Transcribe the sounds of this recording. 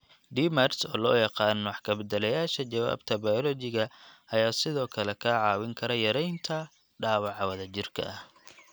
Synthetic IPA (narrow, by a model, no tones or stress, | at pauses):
ɖimɐrsɔ̰ːlɔːjɑqɑːnwɑħkʰɐbɛd̪ɛlɐjaːʃɐt͡ʃɐwa̰ːbt̪ʰɐbajɔlɔt͡ʃɪɣɐɐjaːsɪðɔːkʰɐlɛkʰɐʕɑːwɪŋkʰɐɾɐjɐɾɛjnt̪ʰɐ | ɖaːwɑʕɑwɐðɐt͡ʃɪrkʰɐ̰ʔɐh